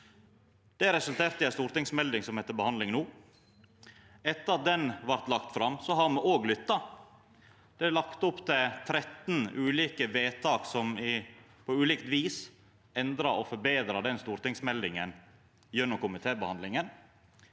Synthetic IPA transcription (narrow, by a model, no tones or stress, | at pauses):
d̪̥ɛɾɛsʉlt̪eːɾt̪əjæɪst̪uːɾt̪ɪŋsmɛld̪ɪŋsɔmhɛt̪ːəbəhɑnd̪lɪŋnuː | ɛt̪ːəɾɑt̪̚d̪ɛnʋæɾt̪lɑkt̪fɾɑmːsɔɦɑɾmɛʔoːɡlʏt̪ːɑ | d̪̥ɛlɑkt̪ɔpt̪ʰɪt̪ʰɾɛt̪nʉːliːkəʋeːt̪ʰɑːksɔmɪ | pʰɔʉːliːkt̪ʋiːs | ɛnd̪ɾɑʔɔfɔɾbeːd̪ɾɑd̪ɛnst̪uːɾt̪ɪŋsmɛld̪ɪŋən | jɛnːʊmkʊmɪt̪ʰeːbəhɑnd̪lɪŋən